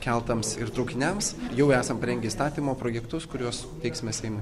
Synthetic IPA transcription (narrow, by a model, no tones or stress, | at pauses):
kʲɛlˠt̪ɐmsɪrt̪ɾɐʊkʲɪnʲɛmsjɛʊæːsɐmpɐɾʲɛŋʲɡʲɛist̪ɑːt̪ʲiːmoːpɾoːjɛkt̪ʊskʊɾʲuɔs | t̪ʲɛɪksʲmʲɛsʲɛɪmʊ